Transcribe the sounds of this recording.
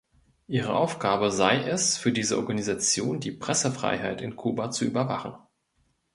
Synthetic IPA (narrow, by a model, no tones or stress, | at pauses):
ʔiːʁ̞əʔaʊfɡ̥aːbəzaɪʔɛsfyːɐdiːzəʔɔ̰ɐɡanizat͡sjoːndiːpʁ̥ɛsəfʁ̥a̰ɪɦaɪtɪnkʰuːbat͡suʔy̰ːbɐvaχn̩